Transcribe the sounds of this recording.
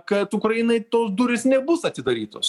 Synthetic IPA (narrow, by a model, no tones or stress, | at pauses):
kɐt̪ʊkɾɐjɪnɐɪt̪oːsd̪uɾʲɪsnʲɛbʊsɐt̪ʲɪd̪ɐɾʲiːt̪o̰ːs